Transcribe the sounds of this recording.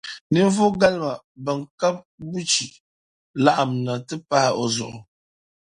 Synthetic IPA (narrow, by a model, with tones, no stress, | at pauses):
nɨ˦ɱ˦vʊ˦ɡa˦lma˨ | ba˨ŋ˨ka˦p̚ | bu˦t͡ʃi˨ | la˦ʔa˨m˨na˨tɨ˦pa˦hɪ˦ʔo˨zʊ˨ʔʊ˨